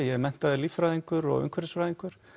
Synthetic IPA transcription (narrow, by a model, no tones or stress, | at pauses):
jɛɣmɛn̥t̪aðɪliːfɾaːðiŋkʏɾɔ̰ɣʏ̰ŋkʰvɛɾɪsfɾaːðiŋkʏɾ̥